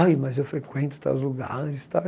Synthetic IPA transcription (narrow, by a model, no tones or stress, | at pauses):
jmɐzewfɾekwẽnt̪ʊ̥t̪a̰zluɡa̰ɾɪst̪a